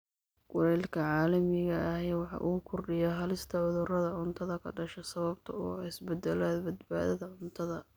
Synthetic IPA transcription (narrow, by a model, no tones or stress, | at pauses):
ɡ̥ʊɾɛːlkʰɐʕɑːlɐmɪɣɐːhɛjwɑħɑ̰ʔʊɣʊkʰʊrɖɪjɐɦɐlɪst̪ʰɐʕʊðʊrɐðɐʕʊnt̪ʰɐðɐkʰɐ̰ɖɐʃɛsɐβɐbt̪ʰɐɔːɪsbɐd̪ɛlaːd̪bɐd̪ba̰ːðɐðɐʕʊnt̪ʰɐðɐ